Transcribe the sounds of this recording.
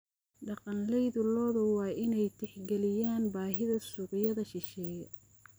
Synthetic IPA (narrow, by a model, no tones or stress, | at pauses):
ɖɑqɑnlɛjðʊlɔːðɐwɑːʔɪnɛjt̪ʰɪħɡɛlɪjaːnbaːɦɪðɐsʊːqjɐðɐʃɪʃɛːjɐ